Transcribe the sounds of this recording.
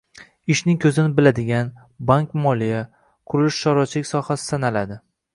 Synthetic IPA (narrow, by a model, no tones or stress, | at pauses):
ɪʃnɪŋkʲʰɵzɪnɪbɪlad̪ɪɡʲan | baŋkʲmɒlija | qʰʊɾɪlɪʃʃɒɾɒt͡ʃʰlɪkʲsɒhasɪ̥sanalad̪ɪ